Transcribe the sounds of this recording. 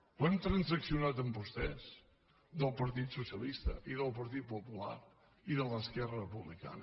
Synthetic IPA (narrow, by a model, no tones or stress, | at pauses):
wɛmt̪ɾənzəksiunat̪əmbust̪ɛz | ðəlˠpəɾt̪it̪susiəlist̪ə̰ʔiðəlˠpəɾt̪̬it̪̚pupula̰ɾ | iðələskɛrərəpuβlika̰nə